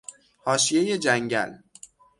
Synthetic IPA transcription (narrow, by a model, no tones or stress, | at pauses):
hɒːʃijeje̞d͡ʒæŋɟæ̰l